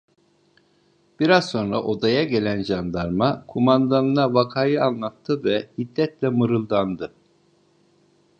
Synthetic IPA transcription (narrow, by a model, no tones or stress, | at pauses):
b̥iɾazso̞nɾa̰ʔo̞d̪ajaɟe̞lʲænd͡ʒand̪aɾmakʰumand̪anɯnavakʰaːjɯanlˠat̪ʰːɯvɛhid̪ːɛt̪lʲɛmɯɾɯlˠd̪and̪ɯ